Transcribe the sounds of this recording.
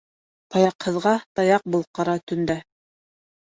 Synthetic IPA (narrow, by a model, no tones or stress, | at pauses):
t̪ɑjɑqhɤ̆ðʁɑt̪ɑjɑq̚bulˠqɑɾɑt̪ɵ̆nd̪æ